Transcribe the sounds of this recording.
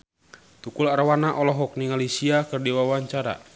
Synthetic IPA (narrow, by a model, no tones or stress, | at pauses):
t̪ukulaɾwanaʔɔlɔɦɔk̚niŋalisiakərdiwawaɲt͡ʃaɾa̰